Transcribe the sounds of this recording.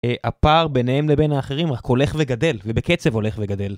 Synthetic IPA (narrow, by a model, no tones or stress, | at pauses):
eʔapaʁbe̞nehemlebenaːχeʁimʁako̞le̞χveɡade̞lvebeket͡se̞vo̞le̞χveɡad̪e̞l